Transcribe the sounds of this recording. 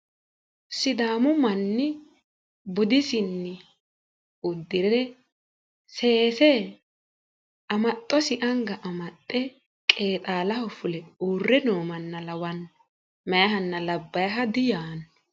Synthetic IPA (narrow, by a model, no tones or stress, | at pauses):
sɪd̪aːmʊmɐnːɪ | bʊd̪ɪsɪnːɪ | ʊd̪ːɪɾɛ | seːsɛ | ʔɐmɐt̪ʼːɔsɪʔɐŋɡɐʔɐmɐt̪ʼːɛ | kʼe̞ːt̪ʼaːlɐhɔfʊlɛuːrːɛnoːmɐnːɐlɐwɐn | mɛjɐɦɐnːɐlɐbːɐjɦɐd̪ɪjaːn